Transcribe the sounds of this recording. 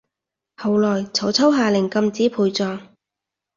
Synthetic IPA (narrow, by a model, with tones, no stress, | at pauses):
hɐ˨˧wlɔː˨˩jt͡sʰɐ˨˥wt͡sʰɐ˥wɦaː˨˧lɪ˨˩ŋkɐ˧mt͡siː˨˥pʰuː˧jt͡sɔː˧ŋ